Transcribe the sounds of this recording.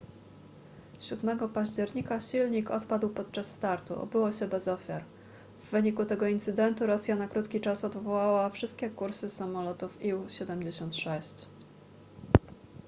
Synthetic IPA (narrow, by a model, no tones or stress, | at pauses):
ɕud̪mɛɡɔpaʑd͡ʑɛɾɲikaɕilɲikɔt̪pad̪wpɔt̪̚t͡ʂasːt̪aɾt̪uɔ̰bɘwɔɕɛbɛzɔfʲjaɾ | vːɘɲikut̪ɛɡɔint̪sɘd̪ɛnt̪uɾɔsʲjanakɾut̪kʲit͡ʂasɔd̪vɔwawafʂɘst̪kʲɛkuɾsɘsamɔlɔt̪ufiwɕɛd̪ɛmd͡ʑeɕɔnt̪ʂɛɕt͡ɕ